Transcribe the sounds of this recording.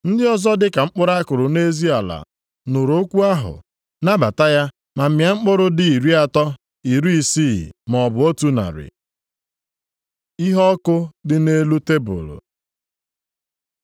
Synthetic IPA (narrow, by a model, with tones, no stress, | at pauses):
n̩˦dɪ˦ɔ˦zɔ˦dɪ˦ka˨ŋ͡m̩˦k͡pʊ˦ɾa˦kʊ˨ɾʊ˨ne˦zi˦a˨la̰˨ | nʊ˨ɾo˦kʷu˦a˦ɦʊ̰˨ | na˦ba˨ta˦ja˦ | ma˨m̩˨mja˨ŋ͡m̩˦k͡pʊ˦ɾʊ˦dɪ˦i˨ɾi˦a˨tɔ˦ | i˨ɾu˦i˨si˦˨m˨ɔ˨bʊ˨o˦tu˦na̰˨ɾɪ̰˨ | i˦ɦɔ˦kʊ˦dɪ˦ne˦lu˦te˦bʊ̰˨lʊ̰˨